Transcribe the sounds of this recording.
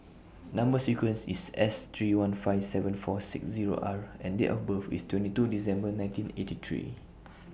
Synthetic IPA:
nãmbəsikwə̃nsḭsɛst̪ʰɹiwãnfaɪfsɛvə̃nfɔsḭksziɹo̰ʔa̰ɹɛ̃ndḛʔɔ̰fbəfḭstwɛ̃ntitudisɛ̃mbənãj̃ntĩnḛtit̪ʰɹḭ

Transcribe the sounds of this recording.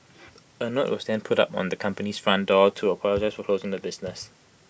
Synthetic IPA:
ənoʔwɔzðɛ̃npʰʊtʌ̰pɔ̰̃n̩ðəkʰʌ̃mpəniz̥fɹãndɔtʰuəpʰɔlɔd͡ʒaɪsfɔkʰl̥oʊzɪ̃ŋðəbɪznəs

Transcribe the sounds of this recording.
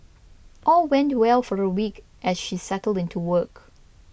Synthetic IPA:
ʔɔlˠwɛ̃ntwɛlˠfɔɹəwik | ʔɛsʃisɛtl̩ˠdɪ̃ntʰuwɜk

